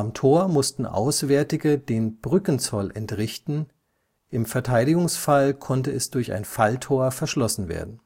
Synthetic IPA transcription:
ʔamtʰoːɐmʊstn̩ʔa̰ʊsv̥eːɐtɪɡədeːnb̥ʁʏkən̩t͡sɔlʔɛntʁɪçtn̩ | ʔɪmfɛɐtʰaɪɾɪɡʊŋsfalkʰɔntəɛsd̥ʊɐça̰ɪnfaltʰoːɐfɛɐʃlɔsn̩vḛːɐdn̩

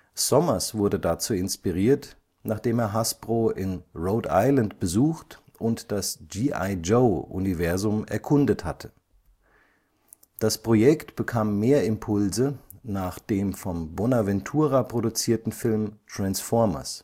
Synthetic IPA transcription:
sɔmɐsv̥ʊɐdədat͡suːɪnspiʁiːɐt | naːχd̥eːmeːɐɦasb̥ʁoːʔɪnʁoʊda̰ɪlantb̥əzuːxt | ʔʊntd̥asd͡ʒiːʔa̰ɪd͡ʒoʊʔṵnivɛɐzʊmɛ̰ɐkʰʊndəthatʰə | d̥aspʁ̥ojɛktb̥əkʰaːmːeːɐɪmpʰʊlzənaːχd̥eːmfɔmbonavɛntʰuːʁapʁ̥odut͡siːɐtn̩fɪlmtʁ̥ansfɔɐmɐ̰s

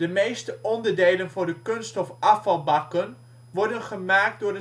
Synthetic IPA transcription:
dəmejstəʔɔndəɹdejlənvʊːɹdəkɵnstɔfɑfɑlˠbɑkən | ʋɔɹdənχəmaːk̚t̚dʊːɹdə

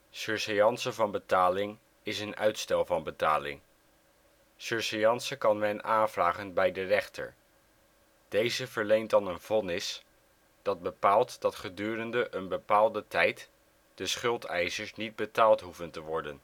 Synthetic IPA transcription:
søɹsɛjɑnsəvɑnbətaːlɪŋ | ɪsənœ̰ɥtstɛlˠvɑnbəta̰ːlɪ̰ŋ | søɹsɛjɑnsəkɑnmɛnaːnvraːχənbɛjdərɛχtə̰ɹ | d̥ejzəvəɹlejntdɑnənv̥ɔnɪs | d̥ɑd̚bəpaːlˠtd̥ɑtχədyːrəndəʔənbəpaːlˠdətɛjt | d̥əsχɵlˠtʰɛjsəɹsnid̚bətaːlˠtɦuvəntəʋɔɹdən

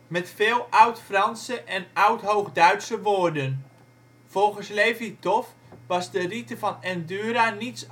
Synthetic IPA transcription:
mɛtfɪːlˠʔʌwtfrɑnsəʔɛnʌwtɦowχdœɥtsəʋoːrdən | v̥ɔlˠχənslejvitɔf | ʋɑzdəritəvɑnɛndyːɾanits

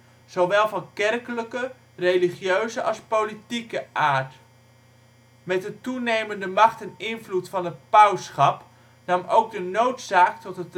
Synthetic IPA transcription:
z̥owʋɛlˠvɑnkɛrkələkə | rejliχjøɥzəʔɑ̰lˠspowlitikəʔaːɹt | mɛtdətunejməndəmɑχtɛnɪnvlutfɑnətpawsχɑp | nɑmowɡ̚dənowtsaːktɔtɦət

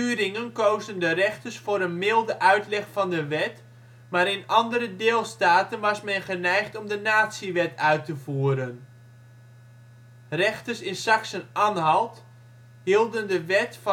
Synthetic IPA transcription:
yːɾɪŋənkoːzdəndərɛχtərsfoːɾənmɪlˠdəʔœɥtlɛχfɑndəʋɛt | maːɾɪnɑndəɾədeːlˠstaːtənʋɑsmɛnχənɛjχtɔmdənaːtsiʋɛtœɥtəvuːəɾən | rɛχtəsɪnsaksənʔaːnɦɑlˠt | ɦilˠdəndəʋɛtf

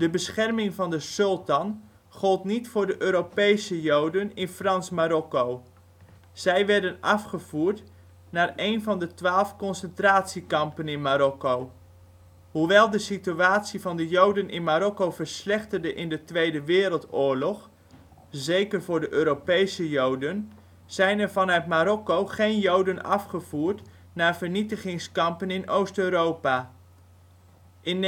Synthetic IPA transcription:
d̥əbəsχɛrmɪŋvɑndəsɵlˠtɑn | χɔlˠtnitfʊːɹdəʔøːɾopejsəjowdənɪnfrɑnsmaɾɔkow | z̥ɛjʋɛɹdənɑfχəv̥uːɹt | naːrejnvɑndətʋaːlˠfkɔnsəntraːtsikɑmpənɪnmaɾɔkow | huʋɛlˠdəsityaːtsivɑndəjowdənʔɪnmaːɾɔkowvəɹslɛχtərdəʔɪndətʋejdəʋɪːɾəlˠtʊːɹlɔχ | zejkərvʊːɹdəʔøːɾopejsəjowdən | z̥ɛjnɛɹvɑnœɥtmaːɾɔkowχejnjowdənɑ̰fχəv̥uːɹt | naːɹvəɹnitəχɪŋskɑmpənɪnowstøɥɾowpa | ʔɪn

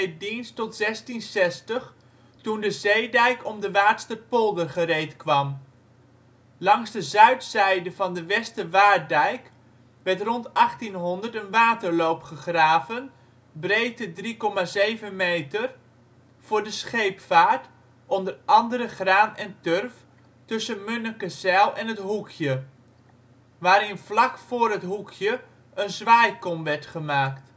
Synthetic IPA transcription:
dinstɔtz̥ɛstinsɛstəχ | tundəzejdɛjkɔmdəʋaːtstəpɔlˠdərχərejtkʋɑm | lɑŋzdəzœɥtsɛjdəvɑndəʋɛstəʋaːdɛjk | ʋɛɹtrɔntɑχtinɦɔndəɹtənʋaːtəɹlowpχəχraːvən | brejtədrikɔmaːzejvənmejtər | v̥ʊːɹdəsχejpfaːɹt | ʔɔndərɑndəɾəχraːnɛntørf | tɵsənmɵnəkəsɛlˠɛnətɦukʰjə | ʋaːɾɪnvlɑkfʊːɾɦətɦukʰjə | ənzʋaːjkɔmʋɛɹtχəmaːkt

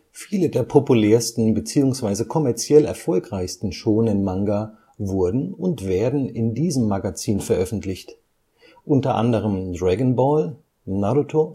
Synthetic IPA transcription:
fiːlədeːɐpʰopulɛːɐstn̩bət͡siːʊŋsv̥aɪzəkʰɔmɛɐt͡sjɛlɛ̰ɐfɔlkʁ̥aɪçstn̩ʃoːnɪnmaŋɡa | vʊɐdn̩ʊntv̥eːɐdn̩ɪndiːzəmːaɡat͡siːnfɛɐʔœfn̩tlɪçt | ʔʊntɐʔa̰ndəʁ̞əmdʁɛɡənbɔːl | nadotʰoː

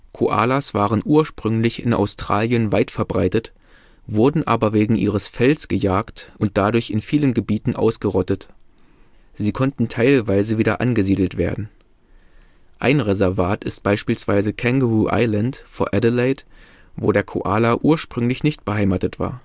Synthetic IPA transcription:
kʰo̰ʔa̰ːlasv̥aːʁənʔuːɐʃpʁ̥ʏŋlɪçɪna̰ʊstʁ̥aːljənvaɪtfɛɐbʁaɪtət | v̥ʊɐdn̩ʔa̰ːbɐveːɡŋ̩ʔḭːʁəsfɛlsɡ̥əjaːktʔʊnt̚d̥adʊɐçɪnfiːlənɡəbiːtn̩ʔa̰ʊsɡ̥əʁɔtət | z̥iːkʰɔntn̩tʰaɪlvaɪzəviːdɐʔanɡəziːdl̩tv̥ḛːɐdn̩ | ʔa̰ɪnʁɛzɛɐvaːtɪst̚b̥aɪʃpiːlsv̥aɪzəkʰɛŋɡəʁuʔa̰ɪlantfoɐʔɛdəlaɪt | voːdeːɐkʰo̰ʔaːlaʔuːɐʃpʁ̥ʏŋlɪçnɪçt̚b̥əɦaɪmaːtətv̥a̰ːɐ

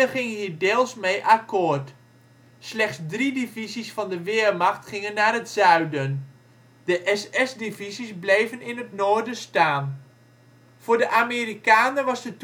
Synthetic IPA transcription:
əχɪŋəɦiːrdɪːlˠsmejʔakoːrt | slɛχtsdridivizisfɑndəʋɪːərmaχtχɪŋənːaːrətsœɥdən | dəʔɛsɛsdivizisblejvənɪnətnoːrdəstaːn | fʊːrdəʔamiːɾikaːnərʋɑsdət

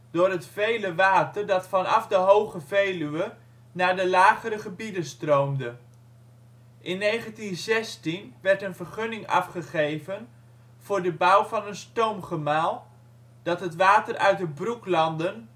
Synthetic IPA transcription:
dʊːɾɦətfejləʋaːtərdɑtfɑnɑfdəɦowχəvejlyʋə | naːɹdəlaːχəɾəχəbidənstrowmdə | ʔɪnːejχəntinzɛstinʋɛɹtənvərχɵnɪŋɑ̰fχəχejvən | v̥ʊːɹdəbʌwvɑnənstowmχəmaːlˠ | d̥ɑtɦətʋaːtərʔœ̰ɥt̚dəbruklɑndən

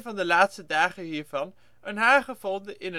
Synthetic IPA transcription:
nvɑndəlaːtstədaːχəɦiːɹvɑn | ənɦaːχəvɔndəʔɪnə

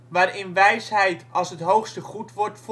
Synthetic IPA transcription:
ʋaːrɪnʋɛjsɦɛjtʰɑlˠsɦətɦowxstəχutʋɔrtf

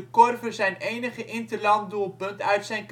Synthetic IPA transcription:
əkɔrvərzɛjnejnəχəʔɪntəlɑndulˠpɵntœɥtsɛjnk

